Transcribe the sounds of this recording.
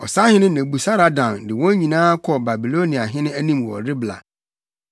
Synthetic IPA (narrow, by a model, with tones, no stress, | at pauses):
ɔ̰˨sa˦hɪ̃˦nɪ̃˦nẽ˨bu˨sa˦ɾa˨dã˨ndɪ˨wɔ̃˦ɲĩ˨nãː˦kʰɔ˨ba˨bi˨lo˦ni˨a˨ɦɪ̃˦nɪ̃˦æ˦nĩ˦mwɔ̰˨ɾɪ˦bla̰˨